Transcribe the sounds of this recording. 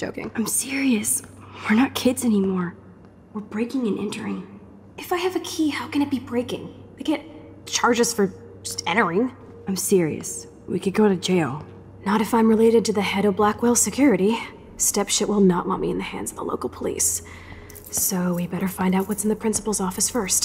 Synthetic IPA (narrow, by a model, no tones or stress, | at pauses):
d̥ʒ̥o̰ʊkɪ̰̃ŋãɪ̃msɪɹiɨs | wə˞nət̚kʰɪdzɛnimɔɹ | wəɹbɹeɪkɪ̃ŋɨ̃nʔɛ̰̃ntʰə˞ɪ̃ŋ | ɨfaɪɨvɨkʰihaʊkɨ̃nɨt̚b̥ibɹeɪkɪ̰̃ŋ | wiɡɛt̚ | t͡ʃʰɑɹd͡ʒɨz̥fə̥˞ | ʌstɛ̃ɾ̃ə˞ɪ̃ŋ | ãɪ̃msɪɹiɨ̰s | wḭkɨ̃n̚ɡoʊɾɨd͡ʒeɪlˠ | nəɾɨfãɪ̃mɹɨleɪɾɨd̚tɨðɨhɛɾoblækweɪlˠsɨkʰj̥ʊɹɨɾi | stɛpʃɪʔwɪlˠnəʔwɑ̰̃t̚miɨ̰̃nðɨhæ̰̃ndzʌvə̰lo̰ʊkl̩ˠpʰəlḭs | soʊwibɛɾə˞fãɪ̃ndaʊt̚wʌtsn̩ðɨpʰɹ̥ɪ̃nsə̥pl̩ˠzɔfɨsfɜ˞st